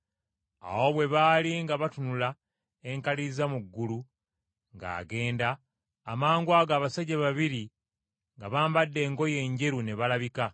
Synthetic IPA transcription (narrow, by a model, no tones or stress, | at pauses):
a̰wo̞βwe̞βaːliŋɡaβatunula | e̞ŋkalizamuɡːulu | ŋɡa̰ːɡe̞ːndaː | maːŋɡwaːɡaːβasaɟaβaβiɾi | ŋɡaβaːmbadːe̞ːŋɡo̞je̞ːɲɟe̞ɾune̞βalaβika